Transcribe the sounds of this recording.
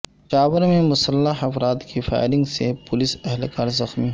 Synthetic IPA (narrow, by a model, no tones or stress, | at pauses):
ʃaːʋəɾmẽmʊsəlːaɦɐfɾaːt̪kifa̰ːɪɾɪ̃ŋɡsepʊlɪsɛɦlkaːɾzɐxmi